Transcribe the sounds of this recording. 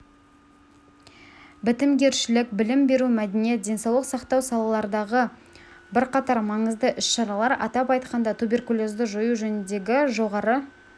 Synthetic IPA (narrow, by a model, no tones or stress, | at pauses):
bɪt̪ɪmɡʲe̞ɾʃɪlɪkbɪlɪmbe̞ɾumæd̪enije̞t̪̚d̪ʲe̞nsɑwlˠəqsɑqt̪ɑwsɑlˠɑlˠɑɾəd̪ɑʁəbɪɾqɑt̪ɑɾmɑɴəzd̪əʔʏsʃɑɾɑlˠɑɾɑ̰t̪ɑpɑjt̪qɑnd̪ɑt̪ʰubʲe̞rkulˠo̞zd̪əʒojuʒɵnɪnd̪e̞ɡʲɪʒo̞ʁɑɾə